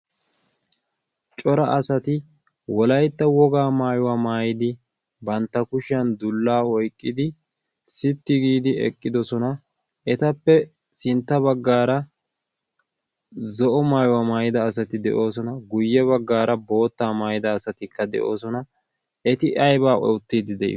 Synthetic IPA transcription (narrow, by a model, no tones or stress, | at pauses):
t͡ʃʼɔɾɐʔɐsɐt̪ɪ | wɔlɐjt̪ːɐwɔɡaːmaːjʊwaːmaːjɪd̪ɪ | bɐnt̪ːɐkʊʃɐnd̪ʊlːaːɔjkʼːɪd̪ɪ | sɪt̪ːɪɡiːd̪ɪɛ̰kʼːɪd̪ɔsɔnɐ | ɛt̪ɐpːɛ | sɪnt̪ːɐbɐɡːaːɾɐ | zɔʔɔmaːjʊwamaːjɪd̪ɐːsɐt̪ɪd̪ɛ̰ʔo̞ːs̬ɔnɐɡʊjːɛβɐɡːaːɾɐbo̞ːt̪ːaːmaːjɪd̪ɐːsɐt̪ɪkːɐd̪ɛ̰ʔo̞ːsɔnɐ | ɛt̪ɪʔɐjbaːʔɔ̰wʊt̪ːiːd̪ɪd̪ɛʔɪ̰